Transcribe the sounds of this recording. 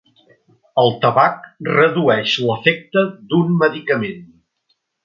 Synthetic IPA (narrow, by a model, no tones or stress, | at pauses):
əlˠt̪əβak̚rəðuɛʃləfɛk̚t̪əd̪unməðikəmen